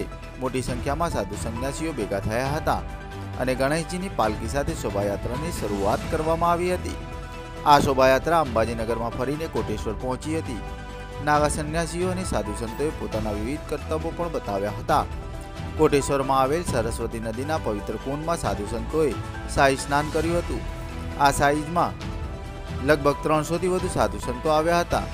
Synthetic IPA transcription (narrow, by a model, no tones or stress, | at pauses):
e | moʈisə̃ŋkʰjamãsad̪ʱusənjasijobeɡʱat̪ʰəjaɦət̪a | ə̰neɡəɽ̃əd͡ʒinipalkisat̪ʰesobʱajat̪ɾaniʃəɾuat̪kəɾʋamãaʋiɦət̪ḭ | asobʱajat̪ɾaəmbad͡ʒinəɡəɾmãfəɾinekoʈeʃʋəɾpɔɦɔ̃t͡ʃiɦət̪i | naɡasənjasijonesad̪ʱusənt̪oepot̪anaʋiʋid̪̚ʱkəɾt̪əbopəɳbət̪aʋjaɦət̪a | koʈeʃʋəɾmãːʋelsəɾəsʋət̪inəd̪inapəʋɪt̪ɾəkunmãsa̰d̪ʱusənt̪oe | saisnankəɾjũɦət̪ũ | asaid͡ʒmã | ləɡ̚bʱəɡ̚t̪ɾəɳsot̪iʋəd̪ʱũsad̪ʱusənt̪oaʋjaɦət̪a̰